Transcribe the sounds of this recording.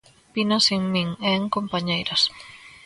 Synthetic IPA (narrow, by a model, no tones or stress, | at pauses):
pinoseŋmĩŋeŋkompaɲejɾos